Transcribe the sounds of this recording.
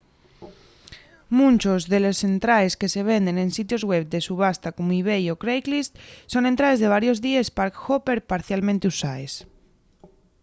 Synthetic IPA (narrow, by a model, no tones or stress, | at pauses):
mũnt͡ʃo̞zðe̞losθe̞nt̪ɾaeske̞se̞β̞e̞nd̪e̞nensit̪jo̞zɣwe̞βd̪e̞suβ̞ast̪akomoiβ̞ejokɾejklist̪so̞ne̞nt̪ɾae̞zðe̞β̞aɾjo̞zðiespaɾkxope̞ɾpaɾθjalmẽnt̪eusaes